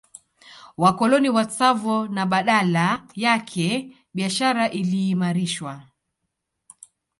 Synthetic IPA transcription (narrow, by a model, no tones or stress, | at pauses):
wakɔlɔniwat͡savɔnaɓaɗalajakʰɛ | ɓiaʃaɾaʔiliːmaɾiʃwa